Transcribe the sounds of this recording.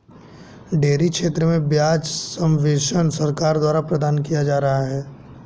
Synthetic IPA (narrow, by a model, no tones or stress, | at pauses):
ɖeːɾikʃeːt̪ɾəmẽbjaːd͡ʒsɐ̃mʋeːʃənsɐɾkaːɾd̪waːɾapɾɐd̪aːnkijad͡ʒaːɾɐɦaɦɛː